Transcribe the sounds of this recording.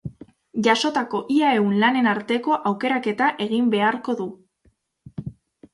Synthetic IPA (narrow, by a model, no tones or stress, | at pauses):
ʝaso̞t̪ako̞ʔiae̞unlane̞naɾt̪e̞ko̞ʔawke̞ɾake̞t̪aʔe̞ɣimbe̞aɾko̞ðu